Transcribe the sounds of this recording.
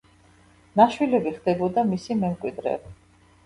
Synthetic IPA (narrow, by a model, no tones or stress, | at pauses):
naʃwilɛbiχd̪ɛbɔd̪amisimɛmkʼwid̪ɾɛ̰b